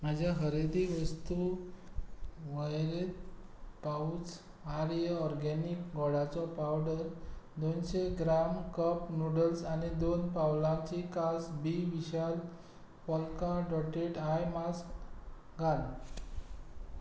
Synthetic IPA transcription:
mad͡ʑʱjaɦəɾed̪iʋəst̪u | ʋəjɾet̪̚paut͡s | aɾjəɔɾɡɛnikɡɔɽat͡sɔpawɖəɾd̪onɕeɡɾamkəpnuɽəlsanid̪onpawlãt͡ɕikasbiʋiɕal | pɔlkaɖɔʈeʈajmask | ɡʱal

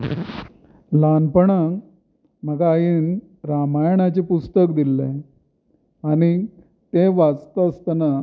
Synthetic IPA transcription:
lanpəɳa | m̤əɡaːjin | ɾamajɳat͡ɕepust̪əkd̪ilːḛ | aɽ̃i | t̪eʋat͡st̪əːst̪ana

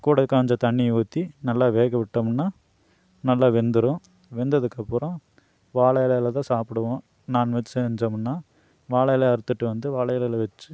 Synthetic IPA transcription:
kuːɽɐɯkːaːɲd͡ʒɐt̪ɐɳːiuːt̪ːinɐlːaːʋeːɣɐʋɪʈːɐːmɯnːaː | nɐlːaːʋɛnd̪ɯɾõː | ʋɛnd̪ɐðɯkːɐpːɯɾõ | ʋaːɭɐjɐlɐjɐlɐt̪ãːsaːpɪɽɯʋõː | naːnʋɛt͡ʃːɐɲd͡ʒɐmɯnːaː | ʋaːɭɐjɐleːɐɾɯt̪ːɯʈːɯʋɐnd̪ɯʋaːɭɐjɐlɐjlɐʋɛt͡ʃːɯ

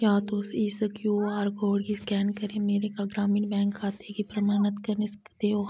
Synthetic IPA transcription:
jaːt̪osiːsəkjuaːɾkoːɽkiskɛːnkɐɾẽmeːɾekaɡɾaːmiːnbɛ̃ːŋkʰːaːt̪ekipɾɐmaːnət̪kɐɾnesd̪eːo

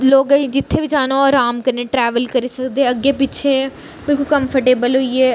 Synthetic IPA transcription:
loːɡəd͡ʒɪt̪ʰːeːbid͡ʒaːnoɔːɾaːmkəɾneːʈɾɛːʋəlkəɾiːsəkd̪eɛəɡːeːpɪtːʃʰẽː | bɪlkʊlkə̃mpʰəʈeːbəlɦʊiɛː

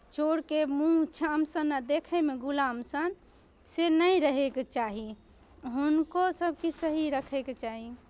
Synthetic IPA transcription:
t͡ʃoɽkemũɦt͡ʃʰəəmsənad̪ekʰəmeɡulamsən | senəjɾəɦeket͡ʃaɦi | ɦunkosəbʱkisəɦiɾəkʰɛket͡ʃaɦi

